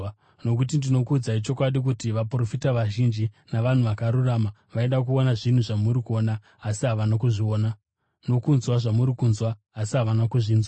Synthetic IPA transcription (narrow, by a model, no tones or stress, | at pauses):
no̞k̬ut̬indino̞kud͡zait͡ʃo̞kwaɗik̬utiʋapuro̞fitaʋaʒind͡ʒi | naʋan̤uʋakaɾuraːma | ʋaeɗakuonaʐin̤uʐamuɾikuo̞naː | siɦaʋanakuʐioːna | no̞kunzwaʐamuɾikunzwaː | siɦaʋanakuʐiːnzwa